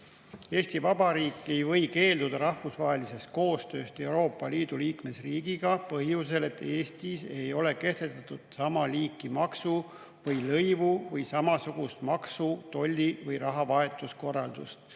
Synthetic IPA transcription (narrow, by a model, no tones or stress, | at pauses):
e̞ːst̪ivɑb̥ɑɾiːkˑːe̞jvɤ̞jke̞ːld̪ud̪̥ɑɾɑhfusvɑːɦe̞lise̞st̪̚ko̞ːst̪ø̞ːst̪e̞wɾo̞ːpˑːɑliːd̪̥uliːkme̞sriːɡ̥iɡ̥ɑpɤɦhjuse̞le̞t̪ːe̞ːst̪ise̞jo̞le̞ke̞st̪et̪ːˑɑt̪ud̪̥sɑmɑliːkːˑimɑksu | vɤjlɤjvuvɤjsɑmɑsuɡ̥ust̪mɑksut̪o̞lʲːivɤjɾɑɦɑvɑe̞t̪ːˑusko̞rːɑld̪̥ust̪